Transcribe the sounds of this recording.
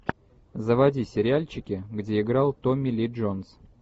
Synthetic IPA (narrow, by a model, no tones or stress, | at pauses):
zəvɐdʲisʲɪɾʲɪalʲt͡ɕɪkʲɪɡdʲeɪɡɾɑlˠt̪omʲɪlʲiʐons